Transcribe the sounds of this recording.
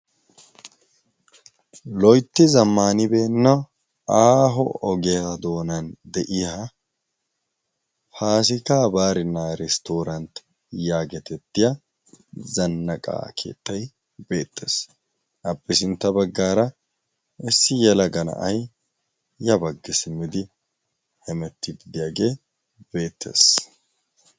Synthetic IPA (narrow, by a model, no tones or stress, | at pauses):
lɔjt̪ːɪzɐmːaːnɪbeːnːɐ | aːɦɔɔɡɛjad̪oːnɐnd̪ɛʔɪɐ | haːsɪkaːbaːɾɪnːaːɾɛst̪oːɾɐnt̪ | jaːɡɛt̪ɛt̪ːɪja | zɐnːɐkʼa̰ːkʰḛːt̪ʰːɐj | be̞ːt̪ːḛːs | ʔɐpʼːɪsɪnt̪ːɐbɐɡːaːɾɐ | ɪsːɪjɛlɐɡɐnɐ̰ʔɐ̰j | jɐbɐɡːɪsmɪd̪ɪ | hɛmɛt̪ːɪb̪ɪd̪ɪjaːɡe̞ː | b̥eːt̪ːe̞̰ːs